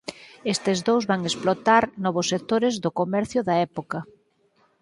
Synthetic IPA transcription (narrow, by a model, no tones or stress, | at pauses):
est̪ezðowzβaŋesplot̪aɾnɔβʊsːek̚t̪oɾɪzðʊkomɛɾθjʊðɐɛpokɐ